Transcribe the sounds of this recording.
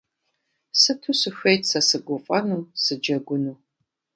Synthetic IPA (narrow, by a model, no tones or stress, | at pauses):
sɨtʰusɨɕʷejtsɐsɨɡʷʊfʼɐnuːsɨd͡ʒɐɡʷʊnuː